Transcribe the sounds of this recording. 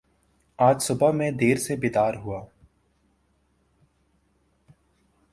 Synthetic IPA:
aːd͡ʒsʊbəmẽd̪eːɾsebɪd̪aːɾɦuaː

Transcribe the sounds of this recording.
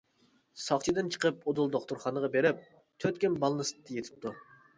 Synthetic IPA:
sɑχt͡ʃʰid̪ɨnt͡ʃʰə̥qʰəpod̪ulˠd̪oχt̪ʊɾχɑnəʁɑbeɾɪp̚ | t̪ʰøt̪kʲɪmbɑlˠnɨst̪ʰːjet̪ʰɪ̥p̚t̪u

